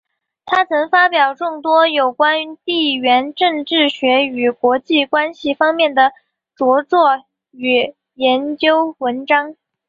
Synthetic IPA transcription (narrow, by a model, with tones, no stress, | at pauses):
t̪ʰa˥t͡sʰɤ˧˥ŋfa˥pjɑ˨˩ʊʈ͡ʂʊ˥˩ŋt̪wɔ˥jo˨˩ʊkwa˥n˥t̪i˥˩ɥɛ˧˥nʈ͡ʂɤ˥˧ŋʈ͡ʂɻ̩˥˩ɕɥɛ˧˥y˨˩kwɔ˧˥t͡ɕi˥˩kwa˥nɕi˨˩fɑ˥ŋmjɛ˥˩nd̪ə˩ | t͡swɔ˧˥t͡swɔ˥˩ | y˨˩ | jɛ˧˥nt͡ɕjo˥ʊwə˧˥nʈ͡ʂɑ˥ŋ